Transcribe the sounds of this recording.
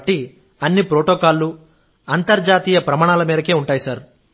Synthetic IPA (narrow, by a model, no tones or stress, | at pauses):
ʈːi | ɐnːipɾoːʈoːkaːlːu | ɐnt̪ɐɾd͡ʒaːt̪iːjɐpɾɐmaːɳ̃aːlɐmiːɾɐke̞ːuɳʈaːjisɐɾ